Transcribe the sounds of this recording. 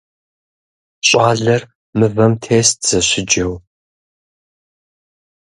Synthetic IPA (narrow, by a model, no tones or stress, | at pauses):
ɕʼɑːɮɐr | mɨvɐmtʰeːstʰz̥ɐɕɪd͡ʒɐw